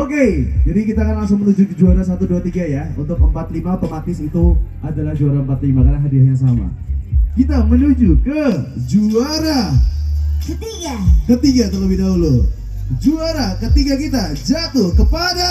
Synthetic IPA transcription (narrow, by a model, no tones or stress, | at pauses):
oked͡ʒadikit̪akanlaŋsʊŋmənud͡ʒukəd͡ʒuaɾasat̪uduat̪iɡajaṵnt̪ʊk̚əmpat̪limapəmat̪ɪsit̪u | adalahd͡ʒuaɾaəmpat̪limakarnaɦadiahjas̬ama̰ | kit̪amənud͡ʒukəd͡ʒuaɾa | akət̪iɡat̪alowinaulo | d͡ʒuaɾakət̪iɡakit̪ad͡ʒat̪ʊhkəpada